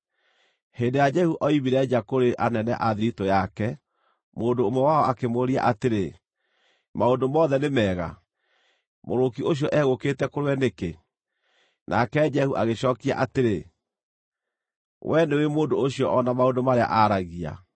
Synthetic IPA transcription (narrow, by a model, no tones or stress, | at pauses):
hendejad͡ʒɛhuʔɔimiɾɛd͡ʒakoɾeʔanɛnɛ̰ʔaðiɾitojakɛ | moːndoːmwɛwaɔakemoɾia̰ʔateɾe | maondomɔðɛnemɛɣa̰ | moɾokioɕ̬jɔʔɛɣoketɛkoɾewɛneke | nʔa̰kɛd͡ʒɛhuʔaɣeɕɔːkia̰ʔateɾe | wɛnewemoːndoːɕjɔʔɔnamaondomaɾea̰ʔaɾaɣia̰